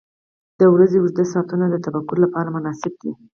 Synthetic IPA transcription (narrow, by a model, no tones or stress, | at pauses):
d̪̥əwɾazeʊʒd̪asɑt̪unad̪ət̪abakːʊɾlapɑɾamʊnɑsɪb̚d̪i